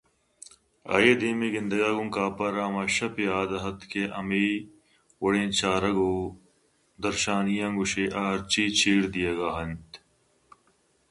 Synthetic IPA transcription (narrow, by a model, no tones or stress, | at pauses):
a̰ːjeːd̪iːmiːɡɪnd̪əɡaːɡũŋkaːpɐɾãːmɐʃɐpjaːd̪ɐɦɐt̪kʰeːʔɐmiː | wɐɽẽːt͡ʃaːɾɐɡoː | d̪ɐɾʃaːnijãːŋɡʊʃeːʔaːɾt͡ʃiːt͡ʃʰiːɽd̪ijeɡaːɦɐnt̪